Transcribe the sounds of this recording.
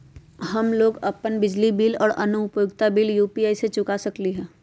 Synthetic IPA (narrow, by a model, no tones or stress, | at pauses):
ɦɐmloːɡɐpənbɪd͡ʒlibiːlɔ̰ːɾɐ̰nʊʊpjoɡt̪abiːljuːpiaːiset͡ʃʊkasɐkliɦɛ̃ː